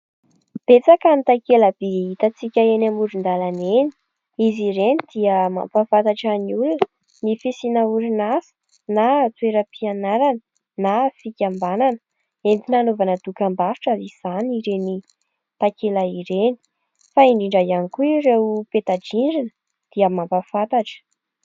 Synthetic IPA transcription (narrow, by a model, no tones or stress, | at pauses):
b̥et͡sakanit̪akeləb̥eɦit̪at͡sikʲəenamuɾund̪alaneni̥ | iziɾenid̪iəma̰mpafat̪aʈ͡ʂaniulunə | nifisinauɾinasi̥ | nat͡sweɾəpianaɾanə | nafikʲambananə̥ | emp̪inanovanəd̪ukambaɾuʈ͡ʂaiz̥aniɾeni | t̪akelaiɾeni̥ | faiɳɖ͡ʐiɳɖ͡ʐaianikuiɾewupet̪ad͡ʒiɳɖ͡ʐinə | d̪̥iəmampafat̪aʈ͡ʂə̥